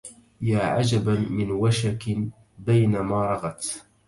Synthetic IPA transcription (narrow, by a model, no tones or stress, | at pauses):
jaːʕa̰d͡ʒabamɪnwaʃak | bajnamaːɾˤɑɣɑt̪